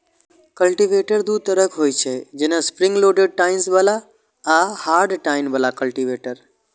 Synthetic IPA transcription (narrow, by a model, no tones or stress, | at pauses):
kəlʈiʋeʈəɾd̪ut̪əɾəkɦoːjt͡ʃʰed͡ʒenə̃spɾɪ̃ŋɡloːɖeɖ̚ʈaːɪnsbəla | ahaːɾɖʈaːɪnbəlakəlʈiʋeːʈəɾ